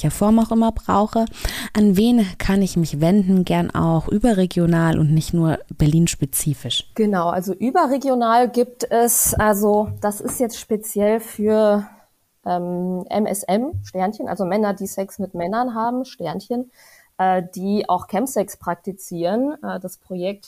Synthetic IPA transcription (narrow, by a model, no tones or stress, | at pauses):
ɐfɔɐmaʊxʔɪmɐbʁa̰ʊxəʔanveːnkʰanɪçmɪçvɛndn̩ɡɛɐnʔa̰ʊxʔyːbɐʁeɡjonaːlʔʊ̰ntnɪçtnuːɐb̥ɛɐliːnʃpet͡siːfɪʃɡ̥ənaʊʔa̰lzoʔyːbɐʁeɡjonaːlɡiːp̚tɛsʔalzod̥asɪstjɛt͡stʃpet͡sjɛlfyːɐ | ʔɛːmʔɛ̰mɛ̰sɛmʃtɛɐnçənʔa̰lzomɛnɐdiːsɛksmɪtmɛnɐnɦaːbm̩ʃtɛɐnçən | ʔɛːd̥iːʔa̰ʊxkʰɛmpsɛkspʁ̥ak̚tit͡siːʁənʔɛːdaspʁ̥ojɛk̚t